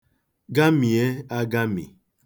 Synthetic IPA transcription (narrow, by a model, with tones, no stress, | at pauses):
ɡa˦mi˨e˦a˦ɡa˦mḭ˨